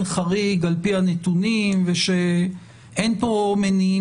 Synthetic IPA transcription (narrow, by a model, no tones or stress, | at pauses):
nχaʁiɡalpihanet̪unimveʃe | ʔenpo̞meni